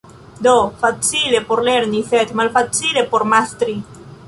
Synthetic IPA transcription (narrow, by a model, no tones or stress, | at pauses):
d̪ofat͡silepoɾleɾniθet̪malfat͡silepoɾmast̪ɾi